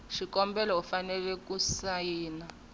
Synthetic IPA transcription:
ʃikɔmbɛlɔufanɛlɛk̬usajiːna

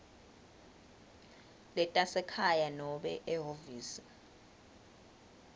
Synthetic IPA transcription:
lɛtʼasɛkʰajanɔɓɛʔɛɦoviːsi̥

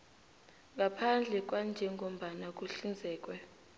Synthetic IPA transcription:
ŋɡʱapʰand͡ɮʱɛk̬ʼwand͡ʒʱɛŋom̩ɓanak̬ʼuɬind͡zʱɛːk̬ʼwɛ

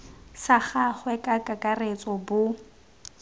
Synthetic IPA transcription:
saχaχwɛkʼakʼakʼaret͡sʼɔbʊ

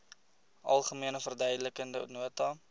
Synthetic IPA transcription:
ʔɐ̰lˠχəmiənəfərdœjdələkəndə̰nuətɑ

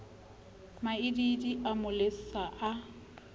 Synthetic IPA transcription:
maɪdidiʔamʊlesaʔa

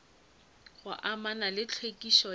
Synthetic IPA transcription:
ɣʊʔamanalɪt͡ɬʰwekʼiʃɔ

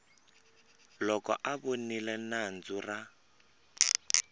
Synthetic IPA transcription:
lɔkɔʔaβonilɛnand͡zura

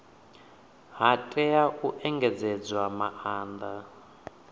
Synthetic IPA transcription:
ɦatʼɛaʔuʔɛŋɡɛd͡zɛd͡zwamaʔaːnd̪a

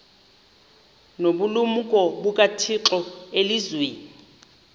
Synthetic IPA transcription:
noɓulumukʼɔbukʼatʰiǁɔelizweːnii

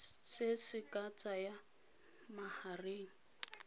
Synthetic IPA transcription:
sɪsɪkʼat͡sʼaja | mahareːŋ̩

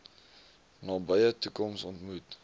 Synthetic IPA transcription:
nɑːbəjətukɔmsɔntmut

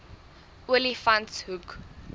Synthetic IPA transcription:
ulifãnshuk

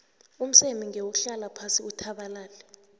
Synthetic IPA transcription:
um̩semiŋewuɬalapʰasiutʰaɓalaːlɛ

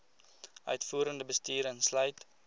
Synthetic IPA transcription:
ʔœ̰ɥtfuːɾəndəbəstiːɾənslœɥt

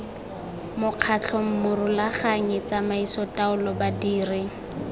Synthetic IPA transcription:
mʊq͡χʰat͡ɬʰɔm̩mʊrʊlaχaŋɪt͡samaisɔtaʊlɔbadiːrɪ

